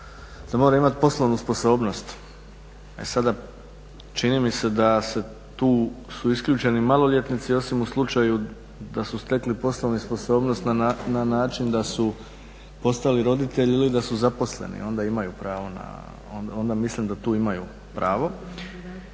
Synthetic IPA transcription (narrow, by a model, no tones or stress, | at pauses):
d̪̥amo̞ɾaimat̪po̞slˠoʋnuspo̞so̞ːbno̞st̪ | ḛsad̪a | t͡ʃinimise̞d̪ase̞ | t̪uːsuiskʎʲut͡ʃe̞nimalˠoʎe̞t̪nit̪sio̞simuslˠut͡ʃaju | d̪asust̪e̞klipo̞sloʋnispo̞so̞ːbnost̪nananaːt͡ʃind̪asu | po̞st̪aliɾo̞d̪it̪e̞ʎilid̪asuzapo̞sle̞̰nḭo̞nd̪aimajupɾaːʋo̞na̰ | no̞nd̪amislimd̪at̪uːimaju | pɾaːʋo̞